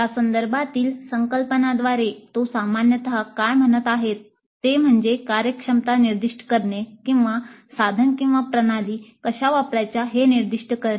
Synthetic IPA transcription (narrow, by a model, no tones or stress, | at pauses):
jasənd̪əɾbʱat̪iːlsəŋkəlpənad̪ʋaɾet̪osamanjət̪ɦakajm̤ənət̪aɦet̪ː | em̤əɳd͡zekaɾjəkʂəmt̪aniɾd̪iʂʈə̥kəɾɳekĩw̃ʋasad̪ʱənkĩw̃ʋapɾənaliːkəɕaʋapɾajt͡ɕjaɦeniɾd̪iʂʈəkəɾ